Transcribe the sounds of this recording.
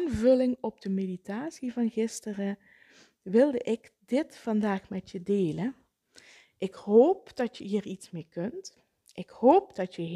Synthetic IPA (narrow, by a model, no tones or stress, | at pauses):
nvɵlɪŋɔb̚d̥əmeditaːsivɑnɣɪstərə | ʋɪlˠdəʔɪkdɪtfɑndaːxmɛtjədeːlən | ʔɪkhoːp̚d̥ɑtjəɦiːritsmeːkɵnt | ʔɪkhoːp̚d̥ɑtjə